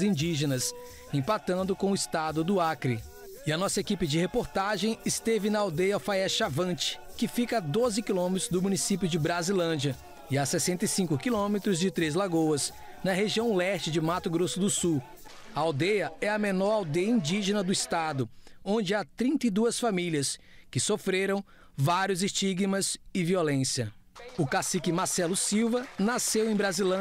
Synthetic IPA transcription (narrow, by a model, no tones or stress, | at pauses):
zĩd͡ʒiʒenɐs | ẽpat̪ɐ̃nd̪ʊkõʊɪst̪ad̪ʊd̪ʊakɾi | ɪɐnɔsɐekipɪd͡ʒɪhepoɾt̪aʒẽj̃ɪst̪evɪnɐawd̪ejɐfaɛʃavɐ̃t͡ʃɪ̥kɪfikɐad̪ozɪkilõmet̪ɾʊzd̪ʊmũnisipjʊd͡ʒɪbɾazilɐ̃d͡ʒiɐ | ɪasɛsẽnt̪ɐjsĩkʊkilõmet̪ɾʊzd͡ʒɪt̪ɾez̬laɡowɐz | nɐɦeʒiɐ̃w̃ɛst͡ʃɪd͡ʒɪmat̪ʊɡɾosʊd̪ʊsu | ɐawd̪ejɐɛɐmenɔɾawd̪ejɐĩnd͡ʒiʒenɐd̪ʊɪst̪ad̪ʊõnd͡ʒɪat̪ɾĩnt̪ɐid̪uɐsfamiliɐs | kɪsofɾeɾɐ̃w̃ | vaɾjʊzɪst͡ʃiɡmɐzɪviolẽsiɐ | ʊkasikɪmaɾsɛlʊsiwvɐnasewẽj̃bɾazilɐ̃